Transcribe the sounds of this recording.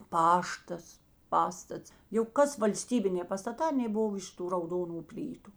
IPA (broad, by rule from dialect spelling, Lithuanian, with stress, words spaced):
ˈpɑːʃtɐs ˈpɑːstɐts jɛʊ ˈkɐs ʋɐlʲˈsʲtʲiːbʲɪnʲeː pɐstɐˈtɑː ɐˈnʲeː ˈboːw ˈɪʃ ˌtuː rɐʊˈdoːnʊ ˈpʲlʲiːtʊ